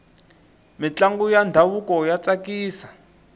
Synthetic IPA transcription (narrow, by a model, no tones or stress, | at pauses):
mit͡ɬaŋɡujandʱawukɔjat͡sakiːsḁ